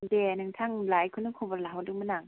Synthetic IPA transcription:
dɛnɯŋt̪ʰaŋlaːjkʰɯnɯŋkʰubalawdɯŋmanaŋ

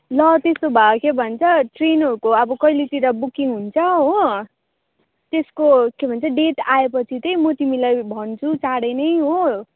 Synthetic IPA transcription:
lʌt̪est̪obʱakʰebʱʌnt͡sʰʌʈrenɦʌɾukoʌbʌkʌjlet̪iɾʌbukiŋɦunt͡sʰʌɦo | t̪eskokebʱʌnt͡sʰʌɖeʈaepʌt͡sʰit̪ʌjmʌt̪imilajbʱʌnt͡sʰut͡saɽenʌjɦo

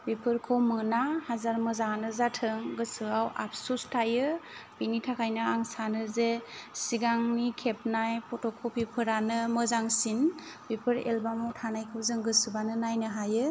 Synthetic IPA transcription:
bipʰɯɾkʰɯwmɯnahazaɾmɯzanɯzatʰɯŋɡɯsɯawa̰p̚ʰsustʰajɯb̥initʰakʰajnɯaŋsanɯzesiɡaŋnikʰep̚najpʰɔtɔkʰowpʰipʰɯɾanɯmɯzaŋsin | b̥ipʰɯɾḛlbamɔtʰanajkʰɯwzɯŋɡɯsɯbanɯnajnɯɦajɯ

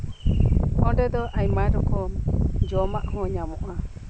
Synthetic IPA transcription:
ɔɖɛd̪ɔʔaɲmaɖɔkɔd͡ʒɔmaʔhɔ̃ɲamɔʔa

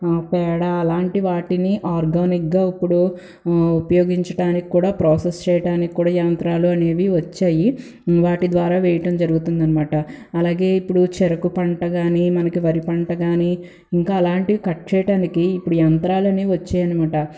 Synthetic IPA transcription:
apɛːɽaɐlaːɳʈiʋaːʈiniʔaːɾɡaːnik̚ɡaːipːuɽu | upɐjo̞ːɡiɲt͡ʃɐʈaːniki̥kuːɽaːpɾoːsest͡ʃɛːjɐʈaːniki̥kːuːɽaːjɐnt̪ɾaːluɐne̞ːʋiʋɐt͡ʃːaːji | ʋaːʈid̪ʋaːɾaːʋɛːjɐʈɐmd͡ʒɐɾuɡut̪und̪ɐnɐmaːʈɐː | laːɡe̞ːipːuɽut͡ʃɛɾɐkupɐɳʈɐɡaːnimɐnɐkiʋɐɾipɐɳʈɐɡaːni | iŋkaːɐlaːɳʈikɐʈ̚t͡ʃeːʈaːnikiːpːuɽujɐnt̪ɾaːlɐneːʋɐt͡ʃːaːjɐnimaːʈɐ

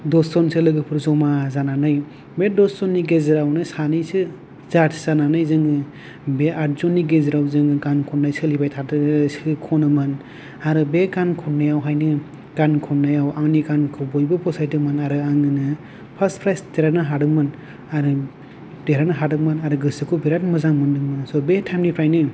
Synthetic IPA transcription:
dɔsɔnsɯlɯɡɯpʰɯɾzɔmazananɯj | bedɔsɔnːiɡezɯɾawnɯsanɯjsɯ | zatʰzananɯjzɯŋɯ | beʔaɾzɔnːiɡezɯɾawzɯŋɡɯɡankʰɔnːajsɯlibajtʰaɯsɯkʰɔnɯmɯn | aɾɯbeɡankʰɔnajawɦajnɯ | ɡ̥ankʰɔnnːajawaŋniɡankʰɯbɔjbɯpʰɔsajtɯmanaɾɯaŋɯnɯ | pʰaspʰɾajsteɾanɯɦaɾɯmɯn | aɾɯ | d̥eɾanɯɦaɾɯmɯnaɾɯɡɯsɯkʰɯbiɾatmɯzaŋmɯndɯmɯnsɔbetʰamnipʰɾajnɯ

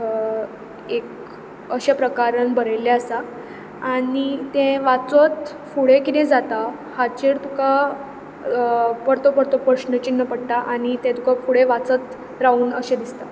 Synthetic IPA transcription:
ek | əɕapɾəkaɾənbʱəɾəjlːeəsa | anit̪ẽʋat͡sot̪ | fuɭekit̪ɛ̃d͡zat̪a | hat͡ɕeɾt̪uka | pəɾt̪opəɾt̪opəɕnət͡ɕinːəpəɽt̪aʔaɽ̃it̪ẽt̪ukafuɽeʋat͡sət̪ | ɾauːnəɕẽd̪ist̪a

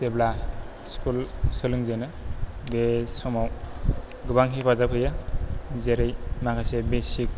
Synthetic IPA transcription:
tebla | skulsɯlɯŋzenɯbesɔmaw | ɡɯbaŋɦipazapʰɯjazeɾɯjmakasebesik̚

